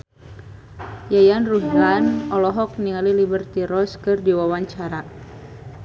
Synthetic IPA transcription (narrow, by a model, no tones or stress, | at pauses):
jajanruɦlanɔlɔɦɔk̚niŋalilibərt̪iɾɔskɨrdiwawaɲt͡ʃaɾa